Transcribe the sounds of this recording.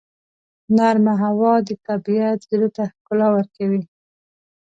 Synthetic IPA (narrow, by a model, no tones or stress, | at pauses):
naɾmaɦawɑd̪ət̪abiat̪ziɾot̪axkʊlawəɾkawi